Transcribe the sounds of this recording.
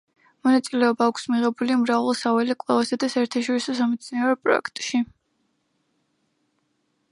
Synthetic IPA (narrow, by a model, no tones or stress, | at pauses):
mɔnat̪sʼilɛɔbaːkʷʰsmiʁɛbulimɾavalˠsavɛlɛkʼlˠɛvasad̪asaɛɾt̪ʰaʃɔɾisɔsamɛt̪sʰinɛɾɔpʼɾɔ̰ɛ̰kʰt̪ʼʃi